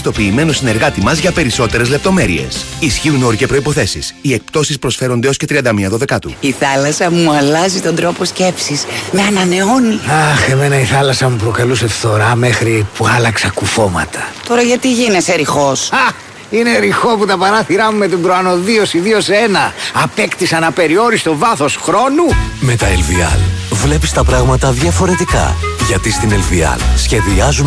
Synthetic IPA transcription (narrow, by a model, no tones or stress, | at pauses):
st̪o̞piːme̞no̞sine̞ɾɣɐt̪imɐzʝɐpe̞ɾiso̞t̪e̞ɾe̞zle̞p̚t̪o̞me̞ɾḭe̞̰sisçiuno̞ɾicepɾo̞ipo̞θe̞sisie̞k̚pt̪o̞sispɾo̞sfe̞ɾo̞nd̪eo̞sce̞t̪ɾiɐnd̪ɐmiɐðo̞ðe̞kɐt̪ṵiθɐlɐsɐmuɐlɐzit̪o̞nd̪ɾo̞po̞sce̞psismeɐnɐne̞o̞niɐxe̞me̞nɐiθɐlɐsɐmupɾo̞kɐluse̞fθo̞ɾɐmexɾipuɐlɐksɐkufo̞mɐ̰t̪ʰɐ̥t̪o̞ɾɐʝɐt̪iʝineseɾixo̞sɐ | ine̞ɾixo̞put̪ɐpɐɾɐθiɾɐmume̞t̪ibɾoɐno̞ðiosiðio̞senɐːpe̞kt̪isɐnɐpe̞ɾio̞ɾist̪o̞vɐθo̞sxɾo̞nume̞t̪ɐelviɐ̰lvle̞pist̪ɐpɾɐɣmɐt̪ɐðʝɐfo̞ɾe̞t̪ikɐ̰ʝɐt̪ist̪ine̞lviɐ̰lsçe̞ðiɐzum